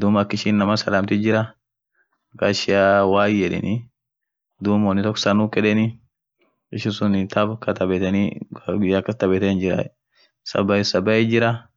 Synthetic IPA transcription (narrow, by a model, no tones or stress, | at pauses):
d̪uːmɐkːɪʃɪnːɐmɐsɐlaːmt̪ɪd͡ʒɪɾɐ | mɐkaʃɪjawaːjɛᶑɪ̰nɪ | d̪uːmwɔnːɪt̪ɔkːsɐnukɛᶑɛnɪ | ɪʃɪsʊnt̪ʰɐbkʰɐt̪ɐbɛt̪ɛniɡʊjakːɐst̪ɐbɛt̪ɛɪnd͡ʒɪɾɐ̰ɛ | sɐ̰bɐɪsɐbɐjɪd͡ʒɪɾɐ